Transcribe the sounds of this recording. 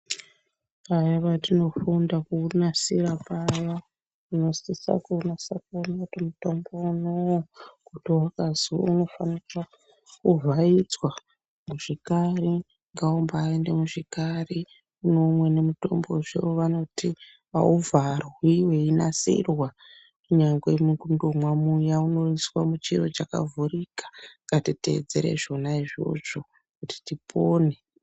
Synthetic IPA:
ajaʋatino̞fundakunasiɾapaja | uno̞sisa̰kunasakonatomuto̞mbounowokutiwakazio̰uno̞fanira | kuvʱaid͡zwa | muʐ̥ikari | ŋɡaumbaːendemuʐikari | uno̞mwe̞ne̞muto̞̰mbo̞ʐḛʋoʋano̞ti | a̰uvʱarwiweinasḭrwa | kuɲaŋɡwemuɡundomwamujauno̞iswamut͡ʃiɾo̞t͡ʃaka̰vuɾikḁŋɡatite̞̰ḛd͡ze̞̰ɾḛʐo̞naiʐo̞̰ʐo̞ | kuti̥tipʰoːne̞

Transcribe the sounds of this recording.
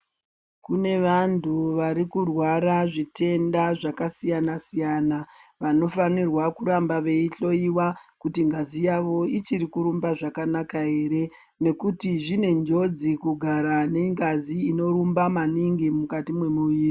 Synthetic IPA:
kune̞ʋantʰuʋaɾikurwaɾaʐite̞ndaʐakasijanasijaːnaʋano̞fanirwakuɾambaʋe̞iɬo̞iwakutiŋɡazijaʋo̞it͡ʃiɾikuɾumbaʐakanakaɦe̞ːɾe̞ | ne̞kutiʐine̞nd͡ʒo̞d͡zikuɡʱaɾane̞ŋɡaziːno̞ɾumbamaniŋɡimukatimwe̞muʋiːri

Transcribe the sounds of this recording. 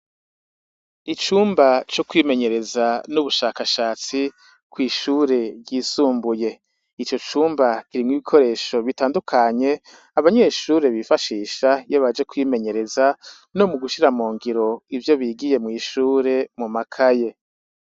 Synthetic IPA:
it͡ʃuːmbat͡ʃokwiːme̞ɲe̞ɾe̞zanuβuʃaːkaʃaːt͡si | kwiːʃuːɾe̞ɾɟiːsuːmbuje̞ | it͡ʃo̞t͡ʃuːmbakiɾimŋiβikʰo̞ɾe̞ːʃoβitaːndukʰaɲe̞ | aβaɲe̞ːʃuːɾe̞βifaʃiːʃajoβad͡ʒe̞kwiːme̞ɲe̞ɾe̞za | no̞muɡuʃiɾamuːŋɡiɾo̞ivjo̞βiːɡije̞mŋiːʃuːɾe̞mumakʰaje̞

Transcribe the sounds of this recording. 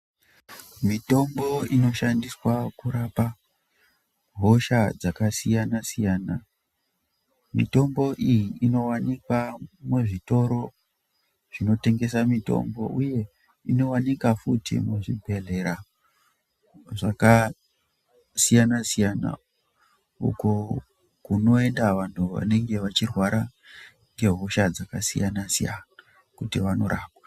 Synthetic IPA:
mito̞mbo̞ino̞ʃandiswakuɾapa | ɦo̞ʃad͡zakasijanasijaːna | mḭto̞mbo̞ʔijiʔino̞wanikwameʐito̞ɾo̞ | ʐino̞te̞ŋɡe̞samito̞̰mbo̞̰ʔuje̞ | ino̞wanikafutʰḭmuʐibʱe̞ɮe̞ɾa | ʐaka | sijanasijana̰ | ṵko̞ | kuno̞e̞ndaʋan̤ʰuʋa̰ne̞ŋɡe̞ʋat͡ʃirwaɾa | ŋɡe̞ɦuʃad͡zakasḭjanasija̰na | kutiʋano̞̰ɾʔaːkwḁ

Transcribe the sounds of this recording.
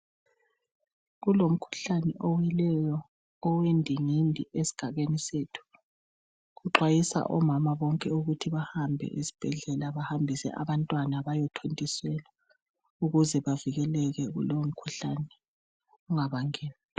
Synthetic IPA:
ɣulom̩kʰu̥ɬanɛʔɔwilɛjɔː | wendʱiŋindʱiʔesi̥ɡ̥ʱaɣenisetʰu̥ | ɣuǁwajisa̰ʔɔmamaβɔŋkʼɛuɣutʰiβahambʱɛ̰ʔisi̥b̥ʱɛɮɛlaβahambʱisɛ̰ʔa̰βantʼwanaβajɔtʰontʼisɛla | uɣuzɛβaviɣɛlɛɣɛɣṵlowom̩kʰuɬanɛ | uŋaβaŋeːni

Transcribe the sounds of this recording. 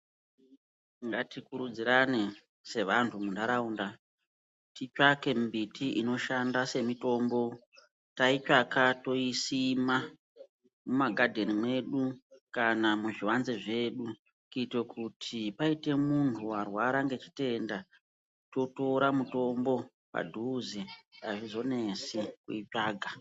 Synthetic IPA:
ŋɡatikuɾud͡ziɾane | se̞ʋantʰumundaɾauːnda | tit͡ʃake̞mbitʰiʔino̞ʃandase̞mito̞ːmbo̞ | tait͡ʃakato̞isima | mumaɡʱadʱe̞nimwe̞ɗukanamuʐiwanzeʐe̞ɗu | kitwekutʰipaite̞muntʰuwarwaɾaŋɡe̞t͡ʃi̥te̞nda | to̞to̞ɾamuto̞mbo̞ | pa̰dʱuːziaʐizo̞ne̞sikuit͡ʃaːɡʱa

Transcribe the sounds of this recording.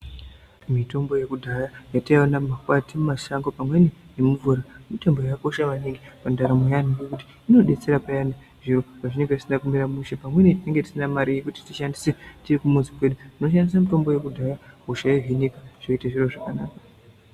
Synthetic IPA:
mito̞mbo̞je̞kudʱajajatajwanamakwatimaʃaŋɡopamwe̞nejemuvuɾamito̞mbojako̞ʃaʋaniŋɡipandaɾamojaniɡekuti̥ | ino̞ɗe̞t͡se̞ɾapajane | ʐiɾopaʐineŋɡaʐisinakumiɾamuʃepamwe̞netine̞ŋɡe̞ti̥sinamaɾije̞kuti̥tiʃandisetirikumunzipwe̞ɗutino̞ʃandisamito̞mbo̞je̞kudʱajaɦuʃaiɦinikaʐ̥oitaʐiro̞ʐakanaːkḁ

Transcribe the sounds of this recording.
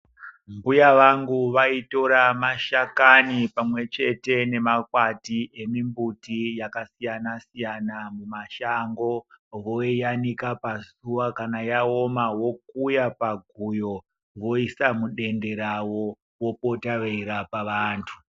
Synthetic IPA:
mbujaʋaŋɡuʋaito̞ɾamaʃakanipamwe̞t͡ʃe̞te̞ne̞makwatiʔe̞mimbutijakasijanasijanamumaʃaŋɡo̞ʋo̞ijanikapazuwakanajao̞mawo̞k̚ujapaɡʱujo̞ | ʋo̞isamuɗe̞nde̞ɾawo | wo̞po̞taʋeiɾapaʋaːntʰu

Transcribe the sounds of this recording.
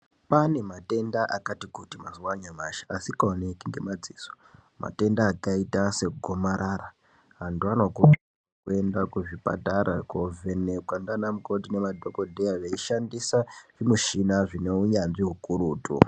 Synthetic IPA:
pane̞mate̞ndaʔakatikutimaziwaɲamaʃḁasikaonekiŋɡe̞̰mad͡ziːzo̥ | ma̰te̞ndaːkaitase̞kɡʱomaɾʔara | ɦantuano̞ku | ue̞ndakuʐipa̰taɾakovenekwandanamuko̞tinemadʱokodʱejaʐeiʃandisaʐ̥imuʃinaʐineuɲanʐiɦukuɾuːtṵ

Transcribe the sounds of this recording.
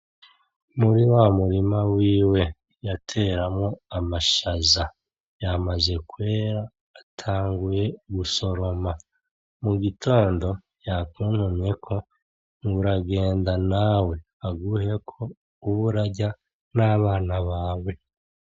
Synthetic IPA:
muɾiwamuɾimawiːwe̞ | jatʰe̞ːɾamŋoamaʃaza | jamaze̞kwe̞ːɾaː | tʰaːŋɡuje̞ɡuso̞ɾo̞ma | muɡitʰo̞ːndo̞ | jakuːnhume̞kʰo̞ | ŋuɾaɡe̞ːndanawe̞ | aɡuhe̞kʰo̞ | uβuɾaɟa | naβaːnaβaːwe̞

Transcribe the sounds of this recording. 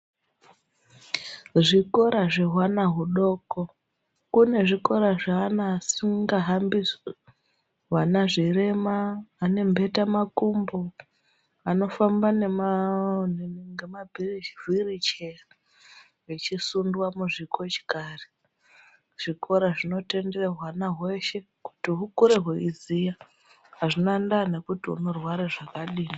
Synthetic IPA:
ʐiko̞ɾaʐeɦwanaɦuɗo̞ko | kune̞ʐiko̞ɾaʐaːnaːsiŋɡaɦambi | wanaʐire̞maːne̞mbʱe̞tamakumbo | ano̞fambanemaneŋɡemabʱirivirit͡ʃea | ʋet͡ʃisundwamuʐikʰo̞t͡ʃi̥kari | ʐ̥ikʰo̞ɾaʐino̞te̞ndereɦwanaɦwe̞ʃe̞ | ku̥tiɦukuɾe̞ɦweizija | ɦaʐinandane̞kutiṵno̞rwaɾaʐakaɗiːni

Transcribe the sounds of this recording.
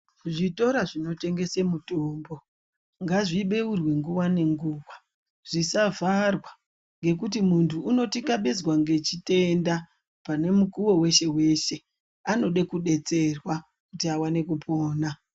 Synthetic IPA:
ʐito̞ɾaʐino̞te̞ŋɡe̞semutoːmbo̞ | ŋɡaʐiɓe̞urwe̞ŋɡuwane̞ŋɡuːwa | ʐ̥isavʱarwa | ŋɡe̞k̬utimuntʰuːno̞tikaɓezwaŋɡe̞t͡ʃite̞nda | pane̞mukuwo̞we̞ʃe̞we̞ʃe̞ | ano̞ɗekuɗe̞t͡se̞rwa | kutiawane̞kupʰo̞ːna

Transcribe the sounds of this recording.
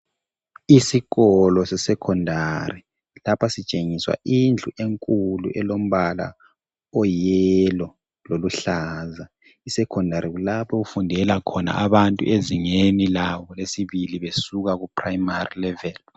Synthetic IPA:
isiɣɔlɔsɛsɛkʰɔndʱari | lapʰasit͡ʃʼeŋiswa̰ind͡ɮʱuʔeŋkʼulṵʔɛlom̩βala̰ | ɔjɛlɔ | loluɬaːza | isɛkʰɔndʱaɾiɣulapʰɔɣufundʱɛlakʰɔna̰ʔaβantʼṵʔeziŋenilawɔlesiβiliβesuɣaɣupʰraimarilɛvɛl

